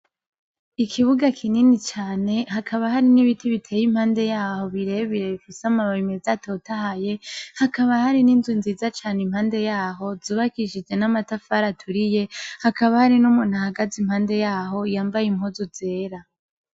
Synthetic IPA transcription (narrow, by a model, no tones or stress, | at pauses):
ikʰiβuɡakʰininit͡ʃaːne̞hakʰaβahaɾiniβitʰiβitʰe̞ːjim̥haːnde̞jaːho̞βiɾe̞βiɾe̞βifisamaβaimezato̞tahaje̞hakaβahaɾininzunziːzat͡ʃaːnim̥haːnde̞jaːɦo̞zuːβakiʃid͡ʒe̞namatafaɾatʰuɾije̞hakaβahaɾinumuːn̥huhaɡazim̥haːnde̞jaːɦo̞jaːmbajimhozuze̞ːɾa